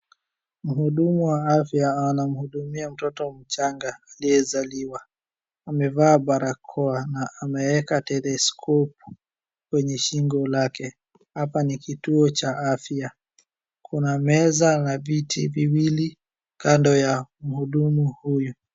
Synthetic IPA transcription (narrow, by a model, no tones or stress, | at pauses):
m̩ɦuɗumuwaafjaanam̩huɗumiam̩tɔtɔm̩t͡ʃaŋɡaːliɛzaliwa | amɛvaːɓaɾakʰɔanaʔamɛwɛkatɛlɛskʰɔpu̥ | kwɛɲɛʃiŋɡɔlakɛ | hapanikituɔt͡ʃaʔafja | kunamɛzanavitʰiviwili | kandɔjam̩huɗumuhuju